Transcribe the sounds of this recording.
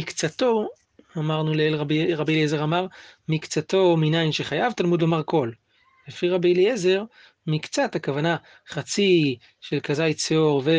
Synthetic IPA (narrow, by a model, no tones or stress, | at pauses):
ikt͡sat̪o̞ | amaʁnuleelʁabʁabilezeʁamaʁmikt͡sat̪o̞minainʃe̞χajavt̪almud̪lo̞maʁko̞l | lefiʁabilieze̞ʁ | mikt͡satakavana | χat͡si | ʃe̞lkazajt͡seo̞ʁve